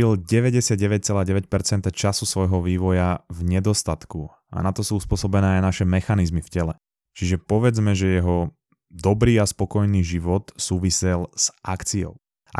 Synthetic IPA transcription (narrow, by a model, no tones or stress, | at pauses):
ilɟɛʋɛɟɛsɪad̪̚ɟɛʋɛc̚t͡sɛlaːɟɛʋɛc̚pɛɾt͡sɛnt̪at͡ʃasusʋɔjɦɔʋiːʋɔjavɲɛd̪ɔst̪at̪ku | a̰nat̪ɔsuːuspʊɔsɔbɛnɛːajnaʃɛmɛxanizmifcɛlɛ | t͡ʃiʒɛpɔʋɛd͡zmɛʒɛjɛɦɔ | d̪ɔbɾiːaspɔkɔjniːʒiʋɔt̪suːʋisɛlz̥ʔakt͡siɔ̰ʊ | a̰